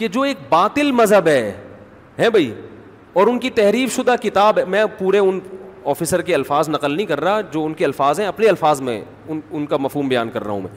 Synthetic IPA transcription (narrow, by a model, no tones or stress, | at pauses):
ked͡ʒoːeːk̚baːt̪ɪlmɐzɦəbɦɛː | ɦɛ̃ːbʱɐiː | ɔːɾʊnkit̪ɛɦɾiːfʃʊd̪akɪt̪aːbɦɛmɛ̃puːɾeʊnɔːfɪsəɾkeɐlfaːznɐqəlnɐɦĩkɐɾːaad͡ʒoːʊnkeɐlfaːzɦɛ̃ɐpneɐlfaːzmḛ̃ | ʊnʊnkamɐfɦuːmbɐja̰ːnkɐɾːɐ̰ɦũmɛ̰̃ː